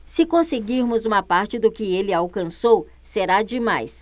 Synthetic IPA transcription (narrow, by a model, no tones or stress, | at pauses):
sɪkõseɡiɾmʊzũmɐpaɾt͡ʃɪd̪ʊkɪelɪawkɐ̃sow | seɾad͡ʒɪmajs